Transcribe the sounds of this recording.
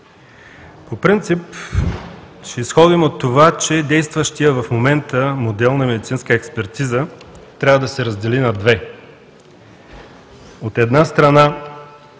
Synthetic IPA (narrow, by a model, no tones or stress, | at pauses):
popɾint̪sip | t͡ʃɛisxɔd̪imot̪ːovat͡ʃɛd̪ɛjst̪vəʃt̪ijəvɐfmomɛnt̪əmod̪ɛlˠnɐmɛd̪it̪sinskəɛkspɛɾt̪izət̪ɾʲavəd̪ɐsɛɾɐzd̪ɛlinɐd̪vɛ | ot̪ɛd̪nast̪ɾɐna